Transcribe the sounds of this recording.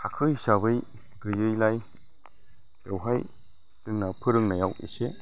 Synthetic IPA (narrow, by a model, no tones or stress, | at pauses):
kʰakʰɯjsaβɯj | dɯjɯjlaj | jewɦaj | dɯŋnapʰɯɾɯŋnajawḭse